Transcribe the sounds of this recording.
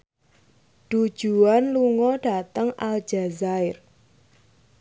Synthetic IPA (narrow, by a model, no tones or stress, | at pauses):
ɖ̥u̥ʒ̥ṳanluŋɔɖ̥a̤t̪əŋʔal̥d͡ʒ̥azaɪr